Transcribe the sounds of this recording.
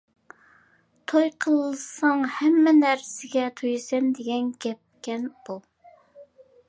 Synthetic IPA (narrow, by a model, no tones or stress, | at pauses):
t̪ʰojqʰəlˠlˠɨsɑŋhɛmːɛnæɾsɪɡʲɛt̪ʰojsɛmd̪eɡʲɛnɡʲɛp̚kʲɛnb̥ulˠ